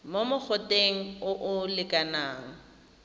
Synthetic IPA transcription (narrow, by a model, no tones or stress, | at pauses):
momʊk͡xʰʊtʼeŋ̩ʊʔʊlɪkʼanaːŋ̩